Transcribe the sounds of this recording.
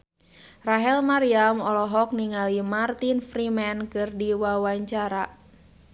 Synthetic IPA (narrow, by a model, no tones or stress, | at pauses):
raɦɛlmaɾiamɔlɔɦɔk̚niŋalimart̪infɾimɛnkɨrdiwawaɲt͡ʃaɾa